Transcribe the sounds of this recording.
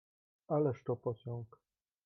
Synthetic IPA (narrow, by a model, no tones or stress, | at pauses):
alɛʂt̪ɔpɔsʲɔ̃ŋk